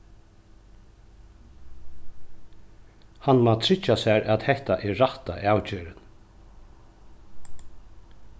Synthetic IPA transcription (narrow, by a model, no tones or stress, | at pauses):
hanːmat̪ʰɾɪt͡ʃːasaɾat̪hɛht̪aʔɛɹaht̪aʔaːwt͡ʃeːɾɪn